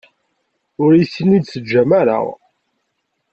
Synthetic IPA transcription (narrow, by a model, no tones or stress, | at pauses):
ʊɾjisəlːid̪səd͡ʒːæmæɾa̰ʁ